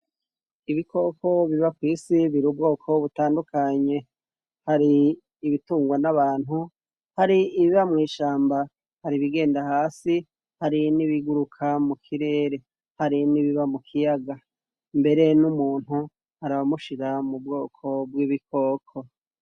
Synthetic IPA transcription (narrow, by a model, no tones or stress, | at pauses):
iβikʰo̞ko̞βiβakwiːsiβiɾuːbɡo̞ːkʰo̞βutaːndukʰaɲe̞ | haɾiː | βituːŋɡwanaβaːn̥hu | haɾiːβiβamŋiːʃaːmba | haɾiβiɡe̞ːndahaːsi | haɾiniβiɡuɾukʰamukʰiɾe̞ːɾe̞ | haɾiniβiβamukʰijaɡa | mbe̞ɾe̞numuːn̥hu | haɾaβamuʃiɾamub̚ɡo̞ːkʰo̞b̚wiːβikʰo̞ːkʰo̞